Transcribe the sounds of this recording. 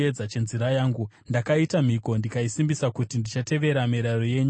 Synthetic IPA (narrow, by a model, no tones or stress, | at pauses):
ed͡zat͡ʃe̞nziɾajaːŋɡu | ndakaitam̤iko̞ndikaisimbisakutindit͡ʃate̞ʋe̞ɾamiɾaro̞je̞ːɲu